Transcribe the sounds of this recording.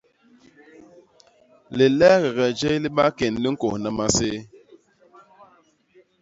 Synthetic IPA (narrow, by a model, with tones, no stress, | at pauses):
le˨lɛ˦ɣɛ˨ɣɛ˨d͡ʒe˦li˦ɓa˦ke˨nli˦ŋ̩˦ko˨hna˦ma˦se˦